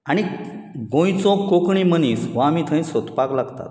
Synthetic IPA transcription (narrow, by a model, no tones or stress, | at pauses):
aɽ̃iɡõj̃t͡sɔ̃kokɳimənisʋãmit̪ʰə̃j̃sɔt̪paklaɡt̪a̰t̪̚